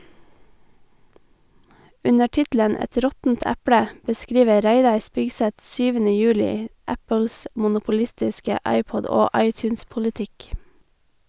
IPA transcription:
ˈʉnə ˈʈɪtlən ˈɛt ˈɾɔtn̩t ˈæpɽə bəˈskɹiːʋə ˈɾæɪdɑɹ ˈspɪɡsɛt ˈsyːʋənə ˈjʉːlɪ ˈæpəls mʊnʊpʊˈlɪstɪskə ˈɑɪˌpɔd ˈoː ˈɑɪtjʉːnspʊləˌtɪk

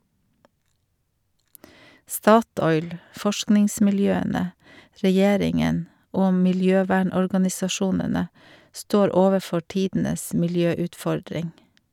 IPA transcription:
ˈstɑˌtɔʏl ˈfɔʃknɪŋsmɪlˌjøːənə ɾɛˈjeːɾɪŋən ˈoː mɪlˈjøːˌʋæːɳɔɹɡɑnɪsɑˌʃuːnənə ˈstoːɾ ˈoːʋəˌfɔɾ ˈtiːdn̩əs mɪlˈjøːʉtˌfɔɾdɾɪŋ

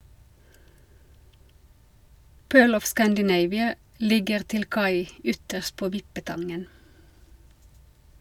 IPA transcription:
ˈpøːɭ ˈɔf ˌskændəˈneɪʋɪə ˈlɪɡəʁ ˈtɪl ˈkɑɪ ˈʏtəʃt ˈpoː ˈʋɪpəˌtɑŋən

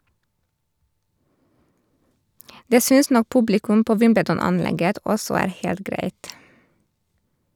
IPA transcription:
ˈdeː ˈsʏns ˈnɔk ˈpʉblɪkʉm ˈpoː ˈʋɪmbədɔnɑnˌlɛɡət ˈɔsɔ ˈæːɾ ˈheːlt ˈɡɾæɪt

